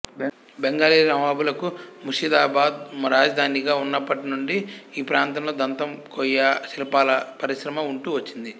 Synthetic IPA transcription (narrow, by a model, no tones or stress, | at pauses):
beŋɡaːliːɾɐmʋaːbulɐkumuʃid̪aːbaːd̪mɾaːd͡ʒɐd̪ʱaːniɡaːunːɐpːɐʈinuɳɖiiːpɾaːnt̪ɐmlo̞ːd̪ɐnt̪ɐmkojɐʃilɐpaːlɐpɐɾiʃɾɐmɐuɳʈuːʋɐt͡ʃːind̪i